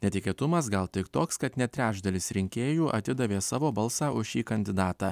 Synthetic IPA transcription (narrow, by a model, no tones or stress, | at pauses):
nʲɛt̪ʲɪkʲeːt̪ʊmɐsɡɐlˠt̪ʲɪkt̪oːkskɐt̪nʲɛt̪ʲɾʲæːd͡ʒd̪ɐlʲɪsɾʲɪŋʲkʲeːjuːʔɐ̰t̪ʲɪd̪ɐʋʲeːsɑːʋoːbɐlˠsɑːʔʊʃʃʲiːkɐnʲd̪ʲɪd̪ɑːt̪ɑː